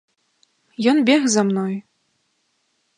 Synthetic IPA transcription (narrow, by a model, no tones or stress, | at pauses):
jɔnbʲɛxzamnɔj